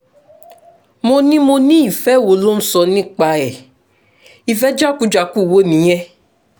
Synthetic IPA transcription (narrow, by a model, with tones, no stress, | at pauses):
mo˧nĩ˦mo˧nĩ˦i˦˨fɛ˦˨wo˨˧˦lo˦m̩˦sɔ˧nĩ˦k͡pa˧ɛ˨ | i˧fɛ˦d͡ʒa˦ku˦d͡ʒa˧˦ku˦˨wo˨˦nĩ˨˦ɛ˦